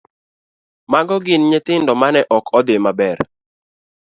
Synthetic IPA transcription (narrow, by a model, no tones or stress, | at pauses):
maɡɔɡɪnɲet̪ɪndɔmanɛʔɔkʰɔd̪emabɛr